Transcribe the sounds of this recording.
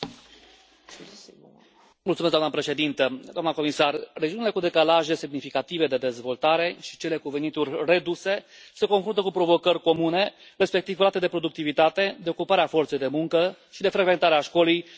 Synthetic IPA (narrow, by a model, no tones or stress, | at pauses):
mult̪sumes̬d̪anəpɾe̞ʃe̞d̪int̪əd̪oamnəko̞misarred͡ʒiunile̞kud̪e̞kalaʒe̞semnifikat̪ive̞d̪e̞d̪e̞zvo̞lt̪aɾe̞ʃi̥t͡ʃe̞le̞kuve̞nit̪urʲre̞d̪use̞se̞ko̞nfɾunt̪əkupɾo̞vo̞kərʲko̞mune̞ | ɾe̞spe̞k̚t̪ivɾat̪e̞d̪e̞pɾo̞d̪uk̚t̪ivit̪at̪e̞d̪e̞okupaɾeafo̞rt̪sejd̪e̞muŋkəʃid̪e̞fɾeɡve̞nt̪aɾeaʃko̞lij